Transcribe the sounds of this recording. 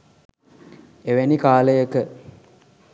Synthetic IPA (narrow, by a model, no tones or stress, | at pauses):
eʋenikaːləjəkə